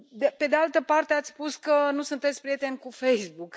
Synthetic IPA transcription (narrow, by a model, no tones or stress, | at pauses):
d̪eped̪ealt̪əpart̪e̞at̪sʲspuskənusunt̪et̪sʲpɾije̞t̪e̞nʲkufejsbuk